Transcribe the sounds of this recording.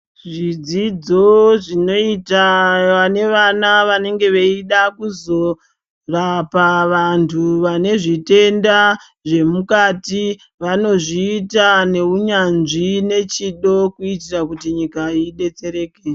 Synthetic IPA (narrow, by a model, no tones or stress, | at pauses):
ʐid͡zid͡zo̞ʐino̞itaane̞ʋanaʋane̞ŋɡe̞ʋeiɗakuzo̞ | rapaʋantʰuʋane̞ʐite̞nda | ʐe̞mukati | ʋano̞ʐiːtane̞uɲanʐine̞t͡ʃiɗo̞kuitirakutiɲikaiɗe̞t͡se̞ɾe̞ːke